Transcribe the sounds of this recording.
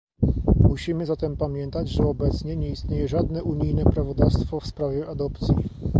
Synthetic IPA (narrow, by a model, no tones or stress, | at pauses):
muɕimɘzat̪ɛmpamʲjɛnt̪ad͡ʑʐɛɔbɛt̪sɲɛɲɛist̪ɲejɛʐad̪nɛʔuɲijnɛpɾavɔd̪afst̪fɔfspɾavʲjɛʔad̪ɔpt̪sʲjḭ